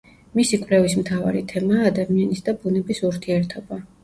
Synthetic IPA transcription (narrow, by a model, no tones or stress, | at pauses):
misikʼvlɛvismt̪ʰava̰ɾit̪ʰɛmaːd̪amianisd̪abunɛbisuɾt̪ʰiɛɾt̪ʰɔba